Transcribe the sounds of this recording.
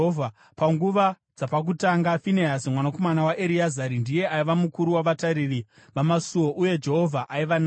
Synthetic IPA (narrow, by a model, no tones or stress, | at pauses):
vʱa | paŋɡuʋa | d͡zapak̬utaŋɡafineasimwanako̞manawaʔeɾiazaɾindije̞ʔaiʋamukuɾuwaʋataɾiri | ʋamasuwo̞ʔuje̞d͡ʒe̞ɦo̞vʱaʔaiʋan